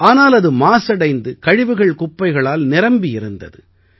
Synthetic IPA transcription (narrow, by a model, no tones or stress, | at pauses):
ʔaːnaːlɐðɯmaːsɐɽɐɪnd̪ɯkɐɻɪʋɯɣɐɭkʊpːɐɪɣɐɭaːlnɪɾɐmbɪjɪɾɯnd̪ɐ̰ðɯ